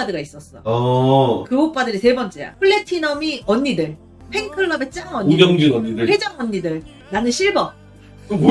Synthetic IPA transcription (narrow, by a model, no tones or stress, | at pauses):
adɯɡais͈ʌs͈ʌ | kɯbok̚p͈adɯɾise̞bʌnt͡ɕ͈ḛa̰pʰɯɭːe̞tʰinʌmiʌɲːidɯɭ | pʰe̞ŋkʰɯɭːʌbe̞t͡ɕ͈aŋʌɲimjʌŋd͡ʑunʌɲːidɯed͡ʑʌŋʌɲːidɯɭ | nanɯnɕʰiɭbʌ